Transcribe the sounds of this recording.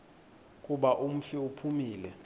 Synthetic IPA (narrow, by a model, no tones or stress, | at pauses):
kʼuɓaʔum̩fiupʰumiːlɛ